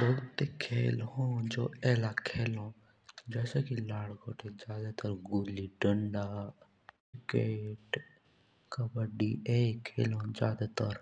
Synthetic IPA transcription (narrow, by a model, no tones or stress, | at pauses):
bolt̪ekʰeːlɦõːd͡ʒoːɛːlakʰeːlõ | d͡ʒɛːseːkilaːɽɡoːʈʰezaːd̪at̪əɾɡuːliɖəɳɖaː | ɪkeːʈ | kəbəɖiːeːkʰeːlõːd͡ʒjaːd̪at̪əɾ